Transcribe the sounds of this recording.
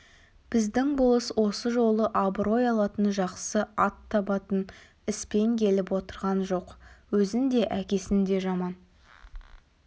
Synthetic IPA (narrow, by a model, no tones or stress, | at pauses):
b̥ɪzd̪ɪŋbʊlˠəswo̞səʒo̞lˠəʔabɾo̞jɑlˠɑt̪ənʒɑqsəɑt̪ʰːɑbɑt̪ən | ɪspe̞ŋkʲʰe̞lɪpwot̪əɾʁɑnʒo̞qwɵzɪnd̪e̞ʔækʲe̞sɪnd̪e̞ʒɑmɑn